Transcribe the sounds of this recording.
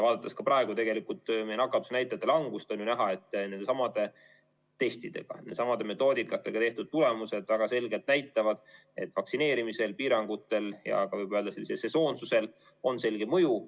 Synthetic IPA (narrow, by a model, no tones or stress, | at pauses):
vɑːd̪̥ɑt̪ːˑɑskɑpʔɑe̞ɡ̥ut̪e̞ɡe̞likult̪mejnɑkːˑɑt̪ːu̥snæjt̪ːˑɑt̪ːˑelɑŋɡ̥ust̪ɑnynæɦɑe̞t̪ˑːne̞nd̪̥sɑmɑd̪̥e̞ | t̪e̞st̪id̪̥e̞̰ɡ̥ɑ̰ed̪sɑmɑd̪e̞me̞t̪ːˑo̞ːd̪ikːˑɑt̪ːˑe̞ɡ̥ɑt̪e̞ht̪ud̪̥̚t̪ːule̞muse̞d̪̥væɡ̥ɑse̞lɡe̞lt̪næjt̪ːˑɑvɑd̪̥ | e̞t̪ːˑfɑksine̞ːɾimise̞lpiːɾɑŋɡ̥ut̪ːˑe̞ljɑ̰kɑvɤjbøːld̪̥ɑse̞lːisese̞so̞ːnsusel | o̞nse̞lɡ̥e̞mɤju